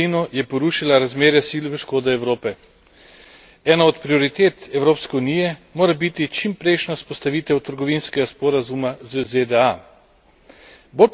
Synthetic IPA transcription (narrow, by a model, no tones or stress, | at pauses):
inɔjɛpɔɾuːʃilaɾazmeːɾjasiːlʋəʃkoːd̪ɛɛwɾoːpɛ | ɛːnaɔt̪pɾiɔɾit̪eːt̪ɛwɾoːpskɛunijɛmoːɾabit̪it͡ʃimpɾɛjʃnaspɔst̪aʋiːt̪ɛwt̪əɾɡɔʋiːnskɛɡaspɔːɾazumazəzed̪ɛa | boːlp